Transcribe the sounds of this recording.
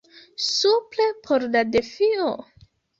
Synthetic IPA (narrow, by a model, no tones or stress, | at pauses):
suple̞pʰoɾladefio